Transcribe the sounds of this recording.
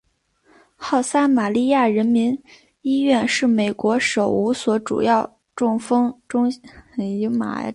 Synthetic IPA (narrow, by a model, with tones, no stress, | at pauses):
xɑ˥˩ʊsa˥ma˨˩li˥˧ja˥˩ɻə˧˥nmi˧˥n | i˥ɥɛ˥˧nʂɻ̩˥˩me˨˩ɪkwɔ˧˥ʂo˨˩ʊu˧˥swɔ˧˥ʈ͡ʂṵ˨˩jɑ˥˩ʊ | ʈ͡ʂʊ˥˩ŋfɤ˥ŋʈ͡ʂʊ˥ŋ | i˧˥ma̰˨˩